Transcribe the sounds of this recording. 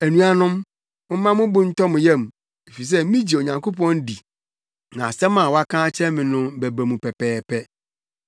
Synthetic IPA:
æ˨nũ˨a˨nʊ̃˦m | ʊ̃˦mã˦mʊ̃˦bʊ̃˦n̩˦tʰɔ˦mʊ̃˨jɛ˦˨m˨ | e˨fi˨s̬ɛ˦mĩ˦d͡ʑi˨o˨ɲã˨ŋko˦pɔ̃˦n˦di˨ | nã̰˨sɛ˦mã˨wɔ˦a˦kʰãː˦t͡ɕʰɛ̃˦mɪ̃˨nʊ̃˦bæ˨bæ˨mũ˨pʰɛ˨pʰɛː˨pʰɛ˦

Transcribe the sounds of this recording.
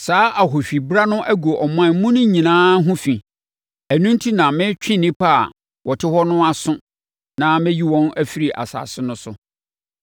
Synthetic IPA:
saː˦ʔa˨ɦo˨fᶣi˨bɾa˦nʊ̃˦ʔæ˦ɡo˨ʔɔ˨m˦ã˦˨˦mũ˦nʊ̃˦ɲĩ˨nãː˦ɦʊ̃˦fĩ˨ | æ˨nũ˦ntʰi˦nã˨mɪ̃˦t͡ɕᶣĩ˦nĩ˦pʰa˦a̰˨ | wʔɔ˨tʰɪ˦hɔ˦nʊ̃˦a˦sʊ̃˦ | nã˦mɪ̃˦ji˦wɔ̃˦næ˦fi˦ɾi˨ʔa̰˨sa̰ː˨sɪ˦nʊ̃˦sʊ˨

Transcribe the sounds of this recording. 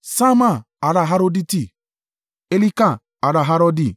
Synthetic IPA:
sa˦ma˦˨ | a˨ɾa˨ɦa˦ɾo˦di˦ti˦˨ | e˦li˦ka˨ | a˨ɾa˨ɦa˦ɾɔ˦di˦˨

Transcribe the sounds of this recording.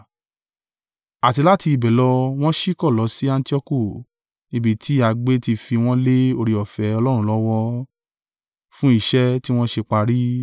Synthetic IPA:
a˨ti˧la˦ti˧i˨bɛ˨lɔ˧w̃ɔ̃˦ʃi˦kɔ˦˨lɔ˨˦si˦ã˧n˦ti˦ɔ˦ku˦˨ | nĩ˧bi˨tʰi˨˦a˨˧ɡ͡be˦ti˧fi˧w̃ɔ̃˦le˦o˧ɾi˧˨ɔ˨fɛ˨˦ɔ˧lɔ˦ɾ̃ũ˦lɔ˦wɔ˧ | fũ˦i˦˨ʃɛ˦ti˦w̃ɔ̃˦ʃe˧k͡pa˧ɾi˦

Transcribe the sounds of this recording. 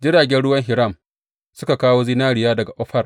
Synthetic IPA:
d͡ʒɪ˦ɽaː˨ɡʲɛ˦nɽʊ˦wɐ˦ŋɦɪ˨ɾa˦˨m | sʊ˦ka˨kaː˦woː˦zi˦naː˦ɽɪ˨jaː˦dɐ˨ɡa˨ʔɔ˦ɸɐ˦r

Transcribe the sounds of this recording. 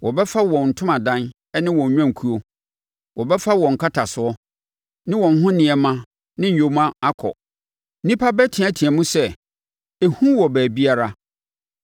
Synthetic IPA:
wɔ˨bɛ˦fa˦wɔ̃˨n̩˨tʰʊ̃˦mã˨dã˦n | ɛ˦nɪ̃˦wɔ̃˨˦ɲᶣã˦˨ŋ̩˨kʰu˦o˦ | wɔ˨bɛ˦fa˦wɔ̃˨ŋ̩˨kʰa˦tʰa˨sʊ˨ɔ˦ | nɪ̃˦wɔ̃˨n˦ɦʊ̃˦nɪ̃˨ɛ˨mã˦ | nɪ̃˦ɲ̩˨jo˨mã˦a˦kʰɔ̰˨˦ | nĩ˦pʰa˦bɛ˦tʰɪ̃˨ã˦tʰi˨ɛ˨mũ˦sɛ˦ | e˨hũ˦wɔ˨bæː˨bi˦a˦ɾa˦

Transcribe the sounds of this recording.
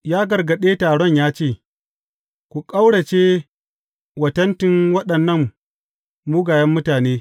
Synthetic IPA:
jaː˦ɡɐ˨rɡɐ˨ɗeː˦taː˨ɽɔ˦˨ɲjaː˦t͡ʃeː˦˨ | kʷu˨kʼa˦wɽɐ˨t͡ʃeː˦ | wɐ˨tɐ˦ntɪ˦ŋwɐ˦ɗɐ˨nːɐ˦˨m | muː˦ɡaː˨jɐ˦mːʊ˦taː˨neː˦

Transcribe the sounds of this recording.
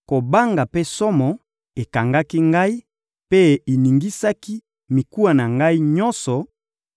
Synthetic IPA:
ko˨ba˦ŋɡa˨pe˦sɔ˦mɔ˨ | e˨ka˨ŋɡa˦ki˦ŋɡa˦i˦ | pe˦e˨ni˨ŋɡi˦sa˦ki˦ | mi˨ku˦a˨na˨ŋɡa˦i˦ɲɔ̃˦nsɔ˨

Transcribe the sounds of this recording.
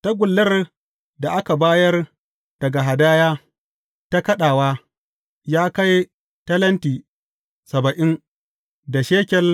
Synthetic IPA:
ta˦ɡʷʊ˨lːɐ˦r | da˨ʔa˦ka˨baː˦jɐ˦r | d̥ɐ˨ɡa˨ɦa˨daː˦jaː˦ | ta˦kɐ˦ɗaː˨waː˦ | jaː˦ka˦j | tɐ˦lɐ˦ntiː˨ | sɐ˨bɐ˨ʔɪ˦n | da˨ʃeː˦kʲɛ˦l

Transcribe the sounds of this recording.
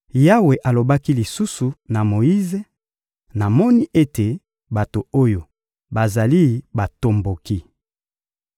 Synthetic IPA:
ja˦we˨ʔa˨lo˨ba˦ki˦li˨su˦su˨na˨mo˨ji˦ze˦ | na˨mɔ˦ni˦ʔe˦te˨ | ba˨to˨o˦jo˨ | ba˨za˨li˦ba˨to˨mbo˨ki˦

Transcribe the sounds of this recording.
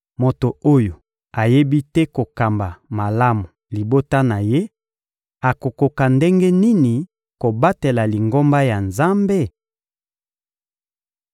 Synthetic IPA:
mo˨to˨o˦jo˨ | a˨je˦bi˦tɛ˦ko˨ka˨mba˨ma˨la˦mu˨li˨bo˦ta˦na˨je˦ | a˨ko˨ko˨ka˨nde˦ŋɡe˦ni˦ni˨ | ko˨ba˦te˨la˨li˨ŋɡo˦mba˦ja˨nza˦mbe˦

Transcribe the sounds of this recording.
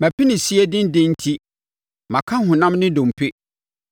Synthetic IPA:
mæ˨pʰi˦nɪ̃˨si˦e˦dɪ̃˦n˦dɪ̃˦n̩˦tʰi˦ | mã˨kʰã˦ɦʊ̃˨nã˦mnɪ̃˦dõ˨m˨pʰɪ˦

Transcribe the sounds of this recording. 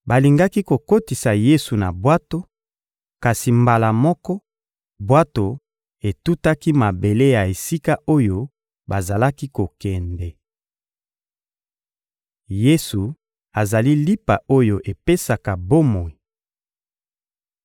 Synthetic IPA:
ba˨li˨ŋɡa˦ki˦ko˨ko˦ti˨sa˨je˦su˨na˨bwa˦to˦ | ka˨si˨mba˨la˨mɔ˦kɔ˦ | bwa˦to˨ | e˨tu˦ta˦ki˦ma˨be˨le˦ja˨e˨si˦ka˦o˦jo˦ | ba˨za˨la˦ki˦ko˨kɛ˨ndɛ˨ | je˦su˨ | a˨za˨li˦li˦pa˨o˦jo˨ʔe˨pe˦sa˨ka˨bo˦mo˨i˨

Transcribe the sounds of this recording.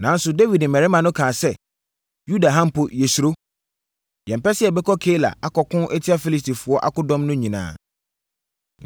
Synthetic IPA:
nã˨n̩˦sʊ˨de˦vi˨dm̩˨mɛ˨ɾɪ˦mã˨nʊ̃˦kʰãː˨sɛ˦˨ | ju˦da˨ɦã˦m̩˦˨pʊ˨jɛ˨su˨ɾo˦ | jɛ̃˨m̩˨pɛ˦sɪ˦ɛ˨bɛ˦kʰɔ˦kʰe˦la̰˨a˦kɔ˨kʰʊ̃˦ʔɛ˦tʰi˦a˦fi˦li˦s̬ti˨fʊ˨ɔ˦ʔa̰˦kʊ̃˦dɔ̃˦mnʊ̃˦ɲĩ˨nã̰ː˨

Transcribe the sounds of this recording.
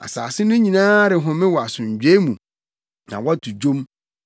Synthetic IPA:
a̰˨sa̰ː˨sɪ˦nʊ̃˦ɲĩ˨nãː˦ɾɪ˨ɦʊ̃˨˦mɪ̃˦wɔ˨a˨sʊ̃˨ɲ˨d͡ʑᶣe˦mũ˨ | nã̰˨wɔ˦tʰu˨d͡ʑõ˦m

